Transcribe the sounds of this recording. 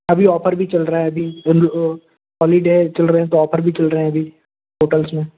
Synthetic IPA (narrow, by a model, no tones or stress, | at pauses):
ɐbʱiɔːpʰəɾbʱit͡ʃɐlɾaːɦɛɐbʱi | ɦɔːliɖeːt͡ʃɐlɾeɛ̃t̪oɔːpʰəɾbʱit͡ʃɐlɾəɦɛ̃ɐbʱiː | ɦoːʈəlsmẽː